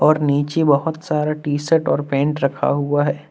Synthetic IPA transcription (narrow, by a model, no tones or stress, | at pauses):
ɔːɾniːt͡ʃebɐɦʊt̪saːɾaʈiːsəʈɔːɾpẽːɳʈɾɐkʰa̰ɦuaɦɛː